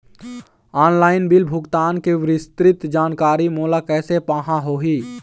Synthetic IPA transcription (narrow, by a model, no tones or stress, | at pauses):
aːnlaːɪnbɪlbʱʊɡt̪aːnkeʋɾɪst̪ɾɪt̪d͡ʒaːnkaːɾimoːlakɛːsepaːɦãɦoːɦiː